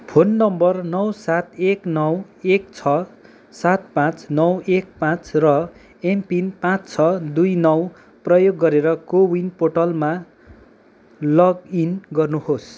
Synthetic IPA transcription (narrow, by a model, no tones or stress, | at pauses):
pʰonːʌmbʌrnʌwsat̪eknʌw | ekt͡sʰʌ | sat̪̚pãt͡snʌwek̚pãt͡srʌ | empinpãt͡st͡sʰʌd̪ujnʌw | prʌjoɡːʌɾeɾʌkowinpoʈʌlma | lʌɡinɡʌrnuhos